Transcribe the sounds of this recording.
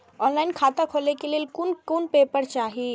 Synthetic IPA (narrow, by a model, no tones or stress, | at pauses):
ɔːnlaːɪnkʰaːt̪akʰoːlekelijekunkuːnpeːpəɾt͡ʃaːɦie